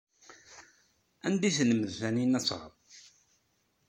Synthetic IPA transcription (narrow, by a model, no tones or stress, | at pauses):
ænd̪iθnəməðθæninæt͡sːʁə̰ð